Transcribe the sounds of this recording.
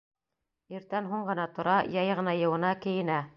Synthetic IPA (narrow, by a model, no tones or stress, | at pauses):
iɾt̪ænɦuɴɢɤ̆nɑt̪ŏɾɑjɑjʁɤ̆nɑjɤ̆wɤ̆nɑkɘ̆jɘ̆næ